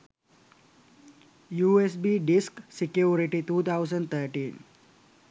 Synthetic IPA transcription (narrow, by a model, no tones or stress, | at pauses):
juːes̬biːɖisksikjuːɾiʈit̪uːt̪ʰaʊzə̃ɳɖt̪ʰəɾʈĩːn